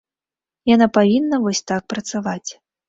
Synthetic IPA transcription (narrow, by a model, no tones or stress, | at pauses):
janapavʲinːɐvɔsʲt̪ak̚pɾɐt̪savat͡sʲ